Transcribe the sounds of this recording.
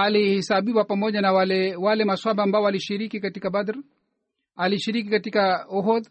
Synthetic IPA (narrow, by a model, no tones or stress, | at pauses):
alihɛsaɓiwapamɔʄanawalɛwalɛmaswaɓaːmbaɔwaliʃiɾikikatikabad̪ɾ | aliʃiɾikikatikauɦɔð